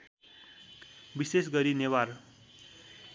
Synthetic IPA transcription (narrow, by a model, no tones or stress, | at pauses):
bisesɡʌɾinewar